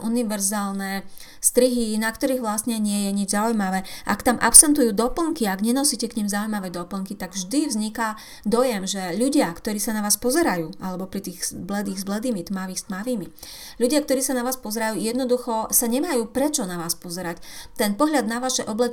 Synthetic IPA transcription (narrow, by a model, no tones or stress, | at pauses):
ʔuniʋɛɾzaːlnɛ | st̪ɾiɦinakt̪ɔɾiːɣʋlasɲɛɲɪɛjɛɲid͡ʒzaujmaʋɛːʔa̰kt̪amʔa̰psɛnt̪ujuːd̪ɔpl̩ŋkiaɡɲɛnɔsiːcɛkɲimzaujmaʋɛd̪ɔpl̩ŋkit̪aɡvʒd̪ivzɲika | d̪ɔjɛmʒɛʎuɟɪakt̪ɔɾiːsanaʋaːspɔzɛɾajuːʔalɛbɔpɾit̪iːɣzblɛd̪iːɣzblɛd̪iːmit̪maʋiːxst̪maʋiːmi | ʎuɟɪakt̪ɔɾiːsanaʋaːspɔzɛɾajuːjɛd̪nɔd̪uxɔsaɲɛmajuːpɾɛt͡ʃɔnaʋaːspɔzɛɾact̪ɛnpɔɦʎad̪naʋaʃɛʔɔblɛ